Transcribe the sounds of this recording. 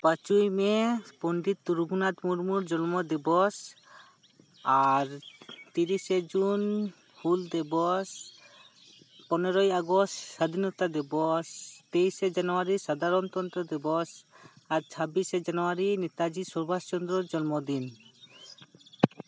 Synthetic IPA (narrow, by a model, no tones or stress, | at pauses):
pat͡ʃujmɛpɔɳɖit̪ːuɾuɡʱunad̪muɾmuɾd͡ʒɔnmɔd̪ibɔs | aɾt̪iɾised͡ʒun | huld̪ɛbɔs | pɔnɔɾɔjaɡɔstʃad̪ʱinɔt̪ad̪ibɔst̪ejsed͡ʒanɔaɾisad̪ʱaɾɔnt̪ɔnt̪ɾɔd̪ibɔs | aɾt͡ʃʰabised͡ʒanuaɾinɛt̪ad͡ʒisɔɾbast͡ʃɔnd̪ɾɔɾd͡ʒɔnmɔd̪in